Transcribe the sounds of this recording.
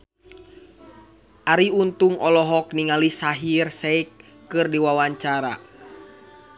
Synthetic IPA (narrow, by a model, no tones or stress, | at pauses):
ʔaɾiunt̪uŋʔɔlɔɦɔkniŋalisaɦirsɛikː | ɨrdiwawaɲt͡ʃaɾa̰